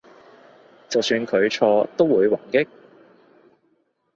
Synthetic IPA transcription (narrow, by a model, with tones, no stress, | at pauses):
t͡sɐ˨wsyː˧nkʰɵ˨˧ɥt͡ʃʰɔː˧t̪o˥wuː˨˧jwaː˨˩nkɪ˥k̚